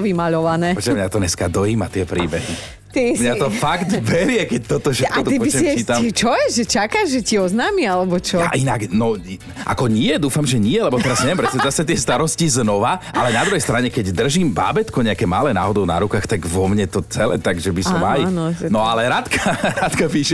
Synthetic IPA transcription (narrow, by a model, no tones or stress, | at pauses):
ʋimaʎɔʋanɛːpɔt͡ʃɛmɲat̪ɔɲɛskad̪ɔiːmat̪ɪɛpɾiːbɛɦi | t̪imɲaɔfaɡd̪ʋɛɾɪɛkɛc̚t̪ɔt̪ɔfʃɛt̪̚kɔt̪ɔiɔbit͡ʃɛt͡ʃiːt̪amit͡ʃɔjɛʒɛt͡ʃakaʒʒɛciɔznaːmialɛbɔt͡ʃɔa̰ʔinaɡnɔ | ʔa̰kɔɲɪɛd̪uːfamʒɛɲɪɛlɛbɔt̪ɛɾazɲɛʋjɛmpɾɛsɛbzasɛt̪ɪɛst̪aɾɔsciznɔʋaʔalɛnad̪ɾuɦɛjst̪ɾaɲɛkɛɟd̪r̩ʒiːmba̰ːbɛt̪kɔɲɛakɛma̰ːlɛna̰ːɦɔd̪ɔʊna̰ɾukaːxt̪aɡʋɔmɲɛt̪ɔt͡sɛlɛ̰ːt̪aɡʒɛbisɔmajnɔnɔalɛɾaːt̪kaɾat̪kapiːʃɛ